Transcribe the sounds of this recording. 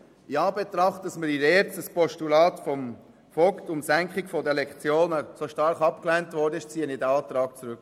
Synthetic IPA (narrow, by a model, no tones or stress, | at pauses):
jɑːbet̪ɾɑχtɑsməɾiɾɛːɾt͡stəspɔʃtulɑːtfɔm | fɔktʊmsæŋkχɪkfɔdɛlɛkt͡sjoːnasoʃtɑɾχɑpklɛntvɔɾdəɪʃt͡siːənidɛɑːt̪ɾɑːk̚t͡sɾʉk